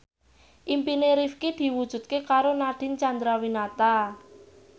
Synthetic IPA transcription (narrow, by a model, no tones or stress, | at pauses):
ʔimpineɾifkid̪̥i̤wud̥ʒ̥ṳt̪̚kekaɾonaɖ̥ɪ̤nt͡ʃand̪ɾawinat̪a